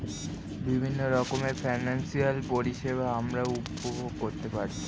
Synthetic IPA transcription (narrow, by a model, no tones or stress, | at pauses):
bibʱinːoɾɔkomefʰajnansialpoɾiʃebaamɾaupobʱoɡkoɾt̪epaɾt͡ɕʰi̥